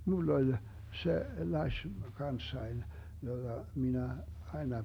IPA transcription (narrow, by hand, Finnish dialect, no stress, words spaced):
mulː olʲ se lɑsʲ kɑnsːɑin jod̥ɑ minæ ɑenɑ